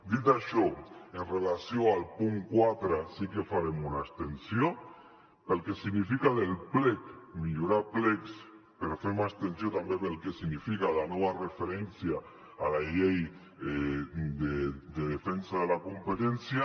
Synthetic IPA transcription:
d̪it̪aʃoenrelasjoalpuŋkwat̪ɾasikefaɾemunast̪ensjo | pelkesiɣnifikaðelplekmiʎuɾapleks | peɾfeɾmast̪ensjot̪ambeβelkesiɣnifikalanɔβarefeɾɛnsjaː | laʎej | d̪ed̪eðefensaðelakumpet̪ɛnsja

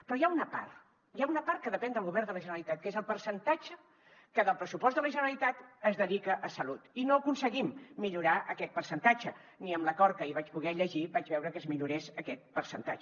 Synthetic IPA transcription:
pɾɔjaunəpa̰rt̪ | jaunəpart̪̚kəðəpɛnd̪əlˠɣuβɛrnd̪ələʒənəɾəlit̪at̪̚kezəlˠpəɾsənt̪at͡ʃə | kəðəlˠpɾəsupɔst̪d̪ələʒənəɾəlit̪at̪əzðəðikəʔəsəlut̪inoəkunsəɣimːiʎuɾaʔəkɛt̪̚pərsənt̪at͡ʃə | niəmləkɔɾkəiβat͡ʃpuɣɛʎəʒiβad͡ʒβɛwɾəkəzmiʎuɾesəkɛt̪̚pəɾsənt̪a̰t͡ʃə

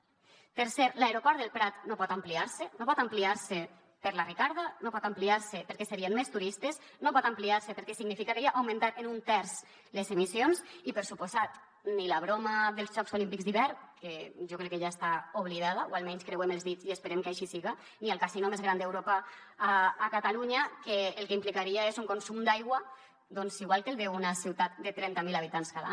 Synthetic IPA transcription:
peɾsɛɾlaeɾopɔɾt̪d̪elˠpɾat̪nopɔt̪ampliaɾsenopɔt̪ampliaɾse | peɾlarikaɾðanopɔt̪ampliaɾsepeɾkɛseɾienmest̪uɾist̪ez | nopɔt̪ampliaɾsepeɾkɛsiɡnifikakeiaʔawmẽnt̪at̪enunt̪ɛɾz | lezemisionsipəɾsupozat̪ | nilaβ̞ɾomaðelˠzʒɔksolimpikzðiβɛɾkeʒokɾɛkːeʒaest̪aoβliðaðaoalmɛɲskɾewemelˠzðiziespeɾemkajʃisiɣa | nialˠkasinumezɣɾand̪ewɾopaː | kat̪aluɲakeːlˠkeimplikaɾiaezuŋkonsumd̪ajɣwa | d̪onsiɣwalˠkelˠðewunasiwt̪at̪̚d̪et̪ɾɛnt̪amilaβ̞it̪anskala̰

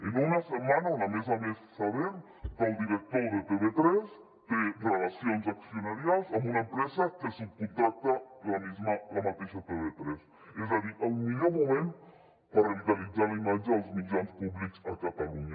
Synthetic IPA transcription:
inunasəmanalamezamessaβeɾ | kəlˠd̪iɾək̚t̪oðət̪eβet̪ɾɛs | t̪erelasionzaksionaɾjalˠzambunəmpɾɛzakesiŋkunt̪ɾak̚t̪alamezmalamat̪eʃat̪eβet̪ɾes | ɛzaðiʔəwmiʎomumẽn | pəɾəβit̪alid͡zalimad͡ʒaːlˠzmid͡ʒɾanspuβlikzakat̪aluɲa

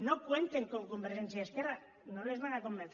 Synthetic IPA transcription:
no̞kwent̪eŋkoŋko̞mbeɾʝent͡siaeskera | nolezβanako̞mbeɾt͡s

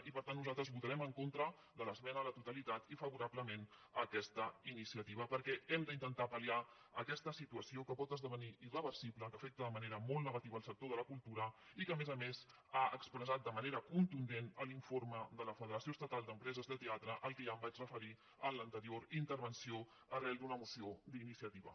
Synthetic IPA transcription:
ipəɾt̪anːuzalˠt̪ɾəzβut̪əɾɛməŋkont̪ɾə | ðələzmɛnələt̪ut̪əlit̪at̪ifəβuɾabləmenəkɛst̪əinisiət̪iβ̞əpəɾkɛɛmd̪əint̪ənt̪apəlia | əkɛst̪əsit̪uəsiokəpɔt̪əzðəβəniʔirəβəɾsibləkəfɛk̚t̪əðəməneɾəmolˠnəɣət̪iβəlˠsək̚t̪oðələkulˠt̪uɾəikəmezəmez | aəkspɾəzat̪̚d̪əməneɾəkunt̪und̪enəliɱfoɾməd̪ələfəðəɾəsioəst̪ət̪alˠd̪əmpɾɛzəzðət̪eat̪ɾəʔəlˠkeʒambat͡ʃrəfəɾi | ənlənt̪əɾioɾint̪əɾβənsio | ərɛlˠd̪unəmusiod̪inisiət̪iβə̰

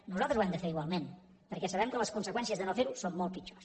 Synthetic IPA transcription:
nuzalˠt̪ɾəzwɛmd̪əfeɾiɣwalˠmen | pəɾkɛsəβ̞ɛmkələskunsəkwɛnsiəzðənofeɾusomːolˠt̪̚pit͡ʃo̥s

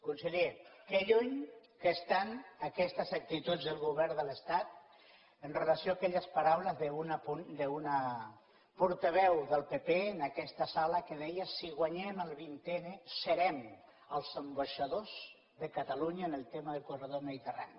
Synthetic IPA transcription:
kunsəʎekeʎuɲkəst̪anəkɛst̪əzək̚t̪it̪ud͡zðəlˠɣuβ̞ɛɾðələst̪at̪̚ | ənrələsioakɛʎəspaɾawləzðəunapund̪əuna | puɾt̪aβɛwðəlˠpepeənəkɛst̪əsaləkəðɛjəsiɣwaɲɛməlˠβint̪enesəɾɛm | əlˠzəmbaʃaðoz | ðəkət̪aluɲaːnəlˠt̪eməðəlˠkurəðoməðit̪əra̰ni

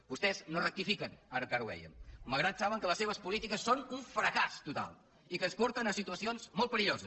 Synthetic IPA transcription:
bust̪ɛznorək̚t̪ifikənəɾkaɾwɛ̰jə̰mməlˠɣɾat̪saβəŋkələsːeβ̞əspulit̪ikəsːonuɱfɾəkast̪ut̪a̰lˠ | ikəspɔɾt̪ənəsit̪uəsionzmolˠt̪̚pəɾiʎozəs

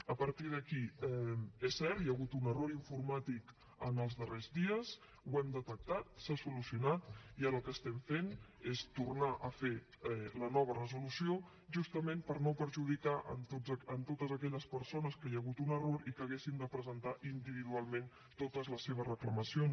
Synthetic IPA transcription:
əpəɾt̪ið̞əkiɛesːɛɾt̪jəɣut̪unəroɾiɱfuɾmat̪ik | ənəlˠzðərezðiəs | wɛmd̪ət̪ək̚t̪at̪̚sasulusiunat̪iələkəst̪ɛmfenest̪urnaʔəfe | ɛlənɔβ̞ərəzulusio | ʒust̪əmempəɾnopəɾʒuð̞ikaʔə̰nt̪oənt̪ot̪əzəkɛʎəspəɾsonəskəjəɣut̪unəroɾikəːɣesind̪əpɾəzənt̪aʔind̪iβ̞iðualˠmẽn | t̪ot̪əzləsːeβ̞əzrəkləməsion

